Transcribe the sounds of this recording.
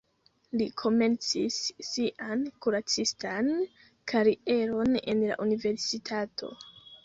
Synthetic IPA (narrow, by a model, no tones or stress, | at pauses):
likʰo̞me̞nt͡sisːiʔankuɾat͡sistan | kʰaɾiʔe̞ɾo̞ne̞̰nla̰ʔunive̞ɾsitʰatʰo̞̰